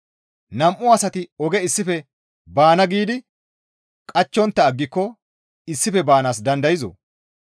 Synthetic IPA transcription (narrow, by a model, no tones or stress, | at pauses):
nɐmʔʊɐsɐt̪ɪɔɡɛɪsːɪfɛ | baːnɐɡiːd̪ɪ | kʼɐt͡ʃːɔnt̪ːɐːɡːɪkːɔ | ɪsːɪfɛbaːnaːs̬d̪ɐnd̪ɐjɪzɔ̰